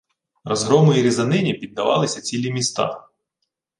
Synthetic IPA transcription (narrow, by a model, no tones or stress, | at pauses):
rɔzɦɾɔmʊjiɾʲizɐnɪnʲipʲid̪̚ːɐʋɑ̰lˠɪsʲɐt͡sʲilʲimʲist̪ɑ̰